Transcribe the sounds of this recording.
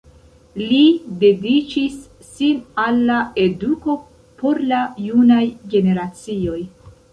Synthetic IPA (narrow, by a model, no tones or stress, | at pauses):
lide̞dit͡ʃisː | inalːae̞duko̞ | po̞ɾlajunajɡe̞ne̞ɾat͡sio̞j